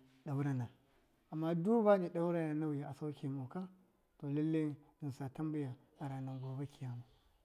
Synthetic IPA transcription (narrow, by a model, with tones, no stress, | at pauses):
ɗa˨wu˦ɾa˦na˨ | a˨mːa˦du˦ba˦ne˨ɗa˦wu˦ɾa˦na˨na˦wja˨ʔa˨sa˦wkʲi˨mu˨ka˦ | to˨la˦lːe˦ | i˨n˨sa˨ta˦mbi˦ja˨ | a˨ɾa˨na˨ŋɡo˨be˦kʲi˨ja˦mu˨